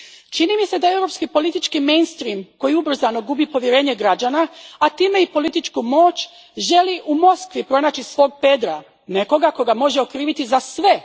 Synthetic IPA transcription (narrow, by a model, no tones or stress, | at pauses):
t͡ʃinimise̞d̪ae̞wɾo̞pskipo̞lit̪it͡ʃkimejnst̪ɾiːmko̞jiubr̩zano̞ɡubipo̞ʋjeɾe̞ːɲe̞ɡɾad͡ʒanaːt̪iːme̞ipo̞lit̪it͡ʃkumo̞ːt͡ʃ | ʒe̞liʔumo̞skʋipɾo̞naːt͡ɕisʋo̞ːɡ̚pe̞d̪ɾa | ne̞ko̞ɡako̞ɡamo̞ʒeokɾiːʋit̪izasʋe̞